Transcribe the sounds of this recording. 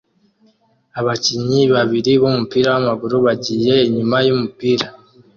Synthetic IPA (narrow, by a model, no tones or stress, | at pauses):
aβaciɲiβaβiɾiβumupiːɾawamaβuɾoβaɟiːje̞ːɲumajumupiːɾa